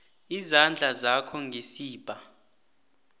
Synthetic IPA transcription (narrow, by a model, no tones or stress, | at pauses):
izand͡ɮʱazakʰɔŋɡʱesiːb̥ʱa